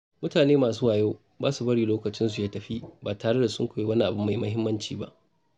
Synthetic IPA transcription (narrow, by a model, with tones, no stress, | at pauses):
mʊ˦taː˨neː˦maː˨s̬u˦waː˨joː˦ | baː˦su˨bɐ˦ɽiː˨loː˦kɐ˨t͡ʃɪ˦nsu˨jaː˦tɐ˨ɸi˦baː˨taː˨ɽe˦da˨sʊ̰˦ŋkʷa˨jeː˦wɐ˦ni˦ʔa˨bʊ˦mːa˨ji˦mɐ˦ɦɪ˦mːɐ˦nt͡ʃiː˨ba̰˦ʔ